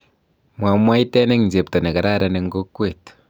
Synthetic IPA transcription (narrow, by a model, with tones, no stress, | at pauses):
mwa˨mwa˦jte˦ne˦ŋnd͡ʒe˨pta˨ne˨ka˨ɾa˦ɾa˨ne˨ŋɡo˦kːwe˨t